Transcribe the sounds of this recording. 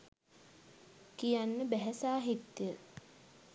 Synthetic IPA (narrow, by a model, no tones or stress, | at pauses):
kijanːəbæɦæsaːɦit̪ːjə